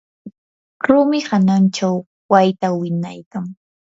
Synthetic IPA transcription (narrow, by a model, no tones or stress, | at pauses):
ɾʊmɪhanant͡ʃaw | wajt̪awɪnajkaŋ